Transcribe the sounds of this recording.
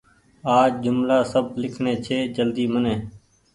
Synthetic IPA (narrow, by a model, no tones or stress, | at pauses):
aːd͡ʒd͡ʒʊmlaːsəb̚lɪkʰnẽːt͡ʃʰeːd͡ʒəld̪iːmənẽː